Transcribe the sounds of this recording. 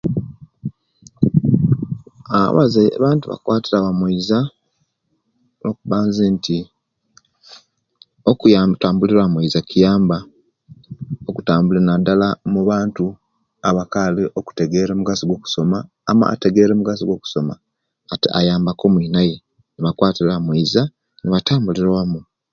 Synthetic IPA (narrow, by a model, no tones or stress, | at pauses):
a̰βa̰zeβaːntuβa̰kwaːtiɾaβamweiza | nokuβaːnzeːnti | okujataːmbuliɾamweizakijaːmba | oku̥taːmbulenadalamuβaːntu | aβakaːliʔoku̥te̞ɡe̞ɾemuɡasiɡwo̞ku̥so̞maː | ma̰ːte̞ɡe̞ɾemuɡasiɡwo̞ku̥so̞ma̰ | a̰jaːmbako̞mwinaje | niβakwaːtiɾamwiza | niβataːmbuliɾawamu